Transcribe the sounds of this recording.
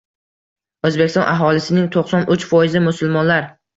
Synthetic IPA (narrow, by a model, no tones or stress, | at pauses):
ɵzbekʲɪst̪ɒ̰nʔaɦɒlɪsɪnɪŋt̪ʰoqsɒnʔʊt͡ʃfɒjɪzɪmʊsʊlˠmɒnlaɾ